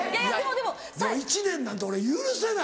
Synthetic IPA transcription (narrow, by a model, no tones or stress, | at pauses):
jaod̪emo | d̪oit͡ɕinẽ̞nːãnt̪ooɾe̞jɯɾɯs̬ena